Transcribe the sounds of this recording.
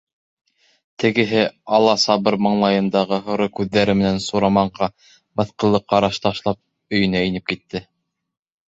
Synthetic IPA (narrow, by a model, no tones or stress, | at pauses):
t̪ɘ̆ɡɘ̆ɦɘɑlˠːɑsɑβɤɾmɑ̆ɴlˠɑjɤ̆nd̪ɑʁɤɦŏɾokʉðːæɾɘmɘ̆nænsuɾɑmɑɴʁɑ | mɤ̆θqɤ̆lˠːɤqːɑɾɑʃt̪ɑʃlˠɑp̚ | ɵ̆jɵ̆næinɘp̚kit̪ːɘ